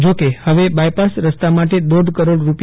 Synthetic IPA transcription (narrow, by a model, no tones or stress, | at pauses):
d͡ʒokehəʋebajpasɾəst̪amaʈed̪oɖ̪ʱkəɾoɽɾup